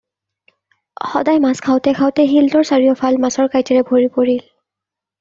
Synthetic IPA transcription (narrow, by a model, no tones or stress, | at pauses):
xɔ̰dajmaskʰaʊtɛkʰawtɛɦiltɔɹsaɹijɔpʰalmasɔɹkajtɛɹɛbʱoɹipoɹil